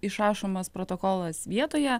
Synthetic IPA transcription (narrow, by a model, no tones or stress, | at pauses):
ɪʃɑːʃoːmɐspɾoːt̪okoːlˠɐsʋʲiɛt̪oːjɛ